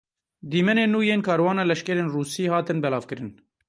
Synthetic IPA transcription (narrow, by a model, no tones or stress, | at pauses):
d̪iːmɛneːnːuːjeːnkʰɑːɾwɑːnɑːlɛʃkɛɾeːnruːsiːhɑːt̪ɨnbɛlɑːvkɨɾɨn